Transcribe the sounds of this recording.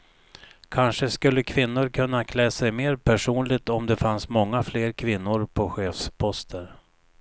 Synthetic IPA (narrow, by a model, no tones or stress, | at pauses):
kʰanʂəskɵlːəkʰvɪnːʊɾkʰɵnːakʰlɛːsɛjmeːɾpʰæʂuːnlɪɡ̚t̪ɔmd̪ɛfansmɔŋːafleːɾkʰvɪnːʊɾpʰɔɧeːfspʰɔst̪ʰəɾ